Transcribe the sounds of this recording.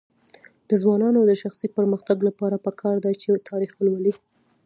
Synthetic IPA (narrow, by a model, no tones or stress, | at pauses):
d̪̥əzwɑnɑnod̪əʃaxsipəɾməxt̪aɡlapɑɾapəkʰɑɾd̪at͡ʃet̪ʰɑɾixwəlwəli